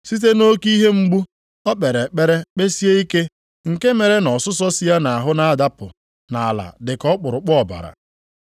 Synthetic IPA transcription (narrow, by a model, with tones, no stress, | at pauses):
si˦t̬e˦no˦ki˦ɦe˦ŋ͡m̩˦ɡ͡bu˦ | ɔ˦k͡pe˨ɾe˨k͡pe˦ɾe˦k͡pe˦si˦e˦i˦ke˦ | ŋ̩˨ke˦me˨ɾe˦nɔ˨sʊ˦s̬ɔ˦si˦a˦na˨a˨ɦʊ˦na˨da˦pʊ˨ | na˨a˨la̰˨dɪ˨kɔ˦k͡pʊ˨ɾʊ˨k͡pɔ˨ba̰˨ɾa̰˨